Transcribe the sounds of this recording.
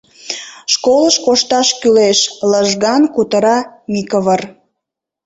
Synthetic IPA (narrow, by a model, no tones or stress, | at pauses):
ʃkoləʃkoʃt̪ɑʃkyleʃləʒɣɑnkut̪əɾɑmikəβər